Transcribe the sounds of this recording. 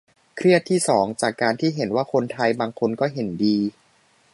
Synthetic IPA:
kʰɾi˥˩ət̪ʰːiː˥˩sɔː˩˦ŋt͡ɕaː˨˩kːaː˧nt̪ʰiː˥˩ɦe˩˦nwaː˥˩kʰo˧nt̪ʰa˧jbaː˧ŋkʰo˧nkɔː˥˩ɦe˩˦ndiː˧

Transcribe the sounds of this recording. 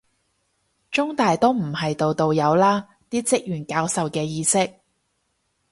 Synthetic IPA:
t͡ʃʊ˥ŋt̪aː˨jt̪o˥wm̩˨˩hɐ˨jt̪o˨wt̪o˨wjɐ˨˧wlaː˥ | t̪iː˥t͡sɪ˥k̚jyː˨˩nkaː˧wsɐ˨wkɛː˧jiː˧sɪ˥k̚

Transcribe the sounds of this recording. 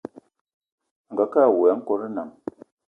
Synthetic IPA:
ŋ̩˨ɡa˨ka˦˨wɛ˨˦ŋ̩˦kɔ˦ɾə˦na˨ŋ

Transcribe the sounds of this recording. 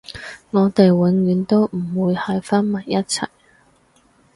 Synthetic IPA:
ŋɔː˨˧t̪e˨jwɪ˨˧ŋɥyː˨˧˥nt̪o˥wm̩˨˩wuː˨˧jhɐ˨jfɐ˥nmɐ˨˩jːɐ˥t̚t͡sʰɐ̰˨˩j

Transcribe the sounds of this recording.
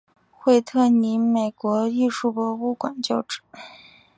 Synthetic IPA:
xwe˥˧ɪt̪ʰɤ˥˩ni˧˥nme˨˩ɪkwɔ˧˥i˥˧ʂu˥˩pwɔ˧˥u˥˩kwa˨˩nt͡ɕjo˥˧ʊʈ͡ʂɻ̩˥˩˦

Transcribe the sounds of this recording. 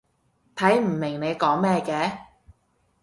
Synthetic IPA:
t̪ʰɐ˨˥jm̩˨˩mɪ˨˩ŋne˨˧jkɔː˨˥ŋmɛː˥˧kɛː˧

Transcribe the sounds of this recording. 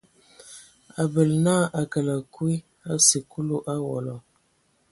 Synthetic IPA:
a˨bə˨lnaː˦ʔa˨kə˨la˨kwi˦ | a˦si˨ku˦lu˦ʔa˦wɔ̰˨lɔ˨

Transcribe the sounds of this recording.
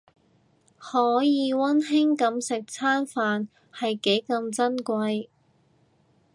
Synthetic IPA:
hɔː˨˥jiː˨˧wɐ˥nɦɪ˥ŋkɐ˨˧msɪ˨k̚t͡sʰaː˥nfaː˨n | hɐ˨jke˨˥jkɐ˧mt͡sɐ˥nkʷwɐ˧j

